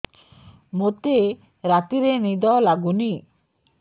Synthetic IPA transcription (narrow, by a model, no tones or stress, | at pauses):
mot̪e | ɾat̪iɾenid̪ɔlaɡuni